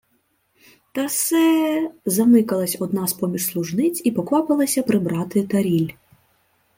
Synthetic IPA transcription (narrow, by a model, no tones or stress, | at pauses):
t̪ɐsɛzɐnɪkɐlˠɐsʲɔd̪̚nɑspɔmʲiʃslˠʊʒnɪt͡sʲipɔkʋɑpɪlˠɐsʲɐpɾɪbɾɑt̪ɪt̪ɐɾʲilʲ